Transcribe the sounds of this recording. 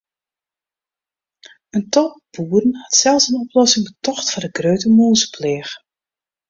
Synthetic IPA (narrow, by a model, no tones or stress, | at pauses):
əntɔbuːrənhɑtsɛlˠsənɔplɔsɪŋbətɔxtfɔdəɡrøɥtəmoːzəpʰleːx